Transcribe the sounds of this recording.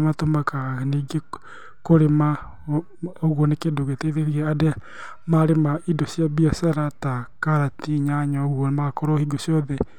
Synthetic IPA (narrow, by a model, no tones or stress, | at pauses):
matomakaɣaniɡe | koɾema | oɣwɔnekedoɣeteðeɾieadɛ | maɾemaidosjaβiasaɾatakaɾatiɲaɲɔɣwɔnemakoɾɔhiɡosiɔðɛ